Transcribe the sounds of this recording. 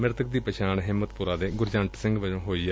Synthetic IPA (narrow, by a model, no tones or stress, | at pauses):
mɪɾt̪ək̚d̪iːpəʃʰaːɳɦɪmːət̪pʊɾaːd̪eːɡʊɾd͡ʒãːɳʈsɪ̃ŋɡʋəd͡ʒõːɦoːiː